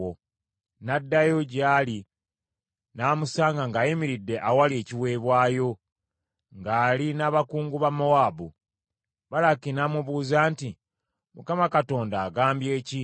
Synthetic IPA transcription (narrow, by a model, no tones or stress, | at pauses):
o | nadːajo̞ɟali | naːmusaːŋɡaŋɡaːjimiɾidːe̞ʔawalieːciwe̞ːβwaːjo̞ | ŋɡaːlinaːβakuːŋɡuβamowaːbu | βalakinamuβuːzaːnti | mukamakato̞ːndaːɡaːmbje̞ːci